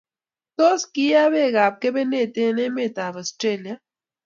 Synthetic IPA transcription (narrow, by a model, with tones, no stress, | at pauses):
t̪o˦ski˦a˦be˦˨ɡa˨p̚ke˦be˦ne˦˨t̪e˦ne˦me˦˨t̪a˨bɔ˨stɾe˦˨lija˦